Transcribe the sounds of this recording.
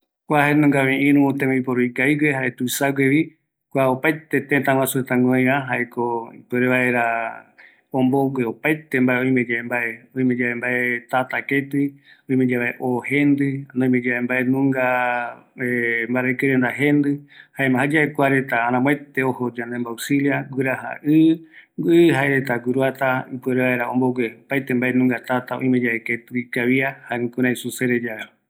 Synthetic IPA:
kʷaɦenũŋɡaʋẽʔĩɾũũt̪ẽmẽipoɾuikaiwehaʔet̪usaɡeʋi | kʷaopajt̪et̪ẽt̪ãwãsuet̪ãŋõjãɦaʔekoipeɾeβaeɾa | õmbowʷeopajt̪embaʔeõj̃mẽd͡ʒaembaʔeõĩmẽd͡ʒaβembaʔet̪at̪aket̪ɨõĩmẽd͡ʒaβaeʔohẽnd̪ɨnõĩmẽd͡ʒaembaʔenũŋɡa | embaɾakɨɾend̪aɦẽnd̪ɨhaemãɦad͡ʒaekʷaɾet̪aːnãmw̃et̪eohod͡ʒãnd̪embawsiliaɡɨɾaɦa̰ʔɨɡɨɦaeɾet̪aɡuɾuat̪aipueɾeβaeɾaõmboɡʷepajt̪embaʔenũŋɡat̪at̪aõ̰ĩmẽd͡ʒaeket̪ɨikaβiahãŋkũɾãj̃suseɾed͡ʒaβe

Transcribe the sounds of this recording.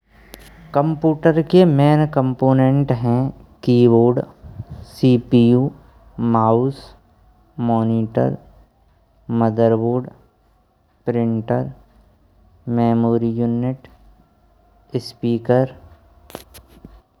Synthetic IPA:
kə̃mpjuːʈəɾkemeːnkə̃mpoːnẽɳʈɦɛ̃kiːʋoːɾɖsiːpiuː | maːuːs | mɔːniːʈə̰ɾ | məd̪əɾʋoːɖ | pɾɪ̃ɳʈəɾ | meːmoːɾijuːnɪʈ | ɪspiːkəɾ

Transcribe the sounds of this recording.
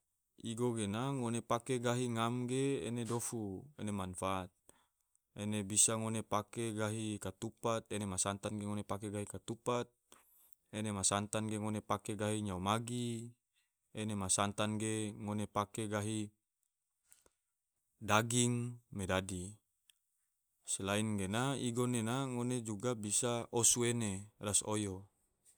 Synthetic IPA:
iɡoɡenaŋonepakeɡaɦiŋamɡḛːnedofuḛnemanfat̪̚ | enebisaŋonepakeɡaɦikat̪upat̪̚enemasant̪anɡeŋonepakeɡaɦikat̪upat̪̚ | enemasant̪anɡeŋonepakeɡaɦiɲaumaɡi | enemasant̪anɡeŋonepakeɡaɦi | daɡiŋmedadi | selainɡenaiɡonenaŋoned͡ʒuɡabisaosuenerasojo

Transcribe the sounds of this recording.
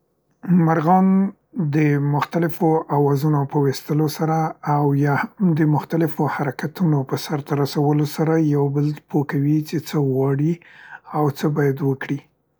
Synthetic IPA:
maɾɣɑn | d̪əmʊxt̪alɪfoʔawɑzunopəwest̪əlosaɾaːwjɑhamd̪əmʊxt̪alɪfohaɾakat̪unopəsaɾt̪aɾasawəlosaɾajawbəlpʰokawit͡ʃet͡səɣwɑɽiawt͡səbɑjad̪wəkɽi

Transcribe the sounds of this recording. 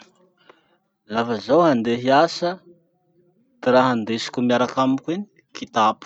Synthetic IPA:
lafəzawɦand̪eɦiasə | t̪iraɦand̪esi̥kʲumiaɾakamikʲueni̥ | kʰit̪apu̥

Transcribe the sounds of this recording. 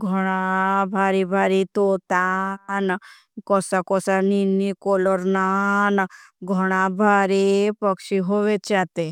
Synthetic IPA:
ɡʱɔɽ̃abʱaɾibʱaɾit̪ot̪an | kɔsakɔsaninːikɔlɔɾnanɡʱɔɽ̃abʱaɾipəkʂiɦoʋet͡ʃat̪e

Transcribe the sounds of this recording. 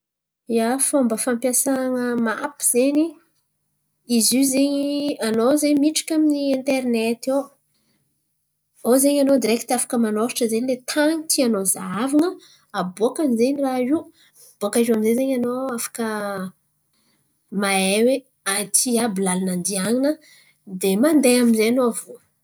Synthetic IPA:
jafombəfampjasaŋəmapi̥z̥eɲi | izizeɲianozeɲmiʈ͡ʂi̥kʲaminient̪ernet̪ew | ozeɲanod̪iɾekit̪afḁkəmanoɾiʈ͡ʂəzenilet̪ʰaŋit̪ʰianozaavaŋə | aboakamzeɲirai | b̥uakaizuaminzezeɲanoafḁkə | maewe | at̪ʰiabilalanand̪iaŋinə | d̪emand̪eaminzeanoavo

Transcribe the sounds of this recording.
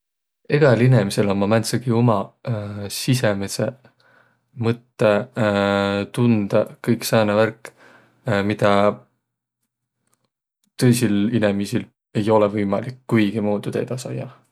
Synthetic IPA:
e̞ɡ̥ɑlinemise̞lomɑmænt̪sɑɡiomɑ | sisemese | mɤt̪ˑːe | t̪und̪̥ɑkɤjksɑːneværkːˑ | mid̪̥ɑ | t̪ɤ̞jsilinemisil | e̞jo̞levɤjmɑlikːujɡ̥imuːd̪̥ut̪e̞̰d̪̥ɑsɑ̰jːɑ

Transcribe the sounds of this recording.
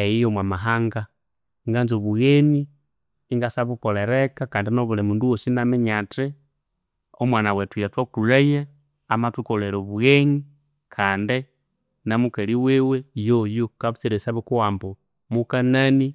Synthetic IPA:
ejijomwamaɦaŋɡa | ŋɡanzoβuɣeniː | ŋɡasaβukoleɾekakaːndinoβulemunduwosinamiɲate | omwanawetwiɾatwakuɾeje | amatukoleɾoβuɣeɲi | kʰaːnde | namukeliwewejojokaβut͡siɾesaβukuwaːmbo | mukanani

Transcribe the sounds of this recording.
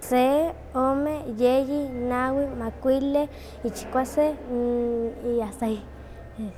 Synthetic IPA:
se | omejejinawimakʷile | it͡ʃkʷase | iasaj

